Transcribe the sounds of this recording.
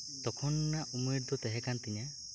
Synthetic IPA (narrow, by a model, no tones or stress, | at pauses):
t̪ɔkʰɔnɔnaʔumeɾd̪ɔt̪eɦekant̪iɲa